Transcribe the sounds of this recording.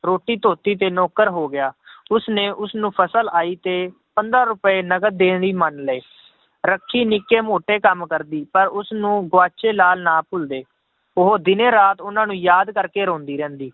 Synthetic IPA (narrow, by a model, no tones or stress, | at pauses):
ɾoːʈiːt̪oːt̪iːt̪eːnɔːkəɾɦoːɡɪjaːʊsneːʔʊsnũːpʰəsəlaːiːt̪eː | pənd̪ɾãːɾʊpeːnəɡəd̪eːniːmənlɛeː | ɾəkʰːiːnɪkːeːmoːʈeːkəmkəɾd̪iːpəɾʊsnũːɡʋaːt͡ʃeːlaːlnaːpʰʊld̪eː | ʊɦoːd̪ɪnẽːɾaːt̪ʊnãːnũːjaːd̪kəɾkeːɾõːnd̪iːɾɛ̃ːnd̪iː